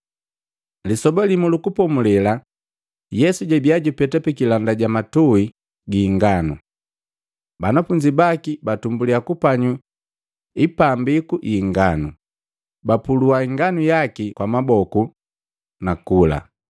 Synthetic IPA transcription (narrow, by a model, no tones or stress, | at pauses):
lisɔbɔlimulukupɔmulɛla | jɛsuɟɛbiaɟupɛtapɛkilandaɟamatui | ɡiŋɡanṵ | banafuɲd͡ʒibakibatumbuliakupaɲu | ipambikuʔiŋɡanu | bapuluaiŋɡanujakikwamabɔku | nakula̰